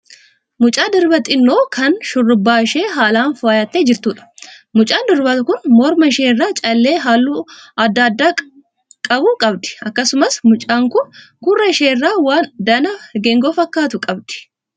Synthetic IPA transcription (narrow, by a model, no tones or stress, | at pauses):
mʊt͡ʃʼaːd̪ɪɾbɐt̪ʼɪnːoːkʰɐnʃʊrːʊbːaːɪʃe̞ːɦaːlaːnfʊaːjaːt̪ːeːd͡ʒɪɾt̪uːᶑɐ̥mʊt͡ʃʼaːnd̪ɪɾbɐt̪ʊkʊnmɔɾmɐɪʃeːrːaːt͡ʃʼɐlːe̞ːɦaːlːuɐd̪ːɐːd̪ːaː | kʼɐbuːkʼɐbd̪ɪ̥ɐkːɐsʊmɐsmʊt͡ʃʼaːŋkʊn | ɡʊrːɐɪʃeːrːaːwaːnd̪ɐnɐɡeŋɡoːfɐkːaːt̪ʊkʼɐbd̪ɪ̥